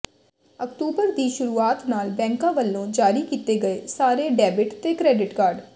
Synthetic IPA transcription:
əkʈuːbəɾd̪iːʃʊɾuːaːt̪naːlbɛ̃ːŋkãːʋəlːõːd͡ʒaːɾiːkiːt̪eːɡəeːsaːɾeːɖɛːbɪʈt̪eːkɾɛːɖɪʈkaːɾɖ

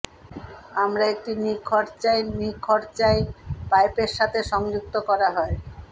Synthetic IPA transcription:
amɾaek̚ʈinikʰɔɾt͡ɕaenikʰɔɾt͡ɕaepajpeɾʃat̪ʰeʃɔŋd͡ʑuk̚t̪okɔɾaɦɔe

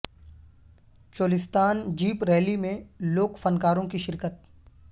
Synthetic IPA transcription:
t͡ʃoːlɪst̪aːnd͡ʒiːpɾɛːlimẽloːkfɐnkaːɾõkiʃɪɾkət̪̚

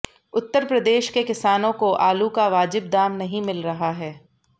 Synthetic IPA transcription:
ʊt̪ːəɾpɾɐd̪eːʃkekɪsaːnõkoʔaːlukaʋaːd͡ʒɪb̚d̪aːmnɐɦĩmɪlɾɐɦaɦɛː

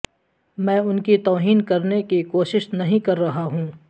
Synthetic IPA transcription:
mɛ̃ːʊnkit̪oːɦiːnkɐɾnekikoːʃɪʃnɐɦĩkɐɾːɐɦaɦũː

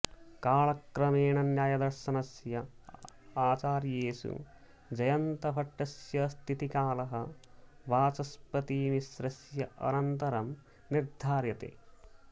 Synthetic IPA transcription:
kaːɭɐkɾɐmeːɳɐnjaːjɐd̪ɐɾʃɐnɐsjɐ | aːt͡ʃaːɾjeːsṵ | d͡ʒɐjɐnt̪ɐpɐʈːɐsjɐst̪ʰit̪ikaːlɐɦɐʋaːt͡ʃɐspɐt̪iːmisɾɐsjɐʔɐ̰nɐnt̪ɐɾɐm | niɾd̪ʱaːɾjɐt̪ḛː

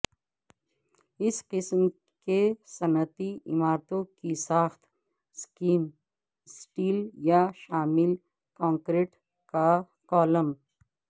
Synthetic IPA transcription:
ɪsqɪsm | kesɐnət̪iɪmaːɾt̪õkisaːxt̪ | skiːn | sʈiːljaʃaːmɪl | kãːŋkɾeːʈ | ka | kɔːləm

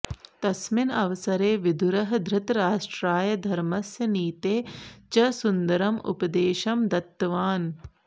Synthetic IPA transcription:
t̪ɐsminɐʋɐsɐɾeːʋid̪ʱuɾɐɦɐd̪ʱɾɪt̪ɾaːʂʈɾaːjɐd̪ʱɐɾmɐsjɐniːt̪eːt͡ʃɐsund̪ɐɾɐmṵpɐd̪eːʃɐmd̪ɐt̪ːɐʋaːn

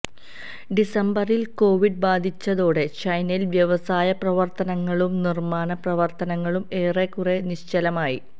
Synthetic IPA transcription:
ɖisɐmbɐrilko̞ːʋiɖ̚baːd̪ʱit͡ɕːɐðo̞ːɽe̞t͡ɕɐjnɐjilʋjɐʋɐsaːjɐprɐʋɐrt̪ɐnɐŋːɐɭumnirmaːnɐprɐʋɐrt̪ɐnɐŋːɐɭume̞ːrekːureniɕt͡ɕɐlɐmaːjḭ

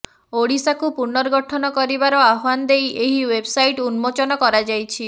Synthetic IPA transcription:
oɽisakupuɾnɔɾɡɔʈʰɔnɔkɔɾibaɾɔaɦand̪ejeɦiwebsajʈunmot͡ʃɔnɔkɔɾad͡ʒajt͡ʃʰi

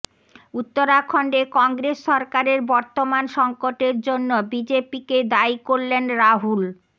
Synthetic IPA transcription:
ut̪ːoɾakʰɔɳɖekɔŋɡɾesːʃɔɾkaɾeɾbɔɾt̪omanʃɔŋkoʈeɾd͡ʑonːobid͡ʑepiked̪aikoɾlenɾaɦul

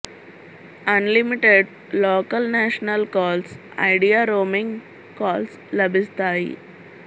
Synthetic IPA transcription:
ɐnlimiʈeɖ | loːkɐlnaːʃnɐlkɔːls | ɐ̰ɪɖijaːɾoːmĩŋɡ | kɔːls | lɐbʱist̪aːjḭ

